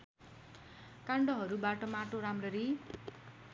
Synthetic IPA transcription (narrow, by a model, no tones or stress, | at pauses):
kaɳɖʌɦʌɾubaʈʌmaʈoɾamrʌɾi